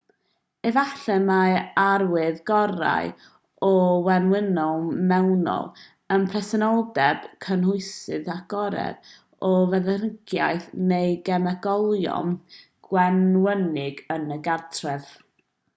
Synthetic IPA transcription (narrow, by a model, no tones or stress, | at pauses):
ɛvaɬɛmaarwɪðɡɔɾa̰j | ɔwɛnwɪnɔlˠmɛwnɔ̰lˠ | ənpʰrɛsɛnɔlˠdɛb̥kʰənhʊɨsɨðaɡ̥ɔɾɛ̰v | ɔvɛðərəɡ̥ja̰jθnejɡɛmɛɡ̥ɔlˠjɔ̰m | ɡ̥wɛnwənɪɡənəɡartʰrɛv